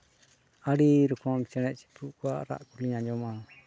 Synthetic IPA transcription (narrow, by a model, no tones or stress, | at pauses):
aɽiɾukʰɔmt͡ʃɛñɛt͡ʃi̥puʔkuaʔɾa̰ʔkuliɲad͡ʒɔma